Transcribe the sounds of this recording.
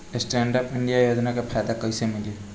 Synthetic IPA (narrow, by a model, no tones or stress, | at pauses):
ɪsʈɛːɳɖəpɪ̃ɳɖijajoːd͡ʒnakapʰaːd̪akəɪsemɪleː